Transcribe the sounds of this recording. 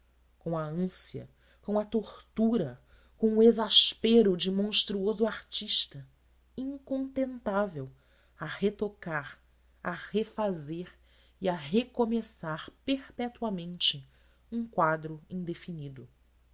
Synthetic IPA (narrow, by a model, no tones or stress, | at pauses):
kõɐɐ̃siɐ̰ | kõɐt̪oɾt̪uɾɐ | kõw̃ʊezaʃpeɾʊd͡ʒɪmõʃt̪ɾuozʊaɾt͡ʃiʃt̪ɐ | ĩŋkõnt̪ẽnt̪avew | ɐhet̪okaɾ | ɐhefazeɾ | iɐɦekomesaɾpeɾpɛt̪uamẽnt͡ʃɪ | ũkwad̪ɾʊĩd̪efinid̪ʊ